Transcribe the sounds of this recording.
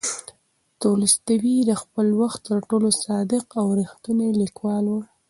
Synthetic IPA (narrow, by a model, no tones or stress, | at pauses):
t̪olist̪awid̪əxpəlwaxt̪ːəɾʈolosɑd̪ɪqawɾixt̪unalikwɑlwu